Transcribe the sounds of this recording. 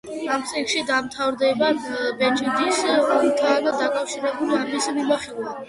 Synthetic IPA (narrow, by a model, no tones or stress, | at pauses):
amsʼikʃid̪amt̪ʰavɾd̪ɛbabɛt͡ʃʰʼid̪isɔmt̪ʰanad̪akʼafʃiɾɛbulamismimaχilˠva